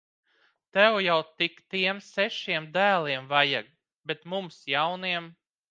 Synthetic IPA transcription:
t̪ɛwjawt̪ikt̪iɛmsɛʃiɛmd̪æːlˠiɛmvajaɡ̚ | bet̪mumsjawniɛm

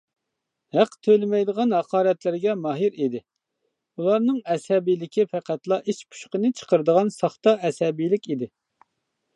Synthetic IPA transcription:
hæqt̪ʰølɪmɛjd̪əʁɑnɦɑqʰɑːɾɛt̪lɪɾɡʲɛmɑɦiɾid̪ɪ | ulˠɑɾnɨŋɛshɛbijlɪkʲʰifæqʰæt̪lˠɑʔiʃpʰu̥ʃqənɨt͡ʃʰə̥qəɾɨd̪əʁɑnsɑχt̪ɑɛsɛbijlɪkʲid̪ɪ

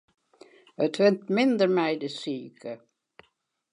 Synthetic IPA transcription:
œt̪ʰʋɛnt̪mɪnd̪əɾmæɪd̪əsyːkʰə

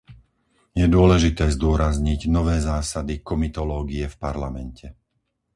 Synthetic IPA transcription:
jɛd̪ʊɔlɛʒit̪ɛːzd̪ʊɔɾazɲiɟnɔʋɛːzaːsad̪ikɔmit̪ɔlɔːɡiɛfpaɾlamɛncʰɛ

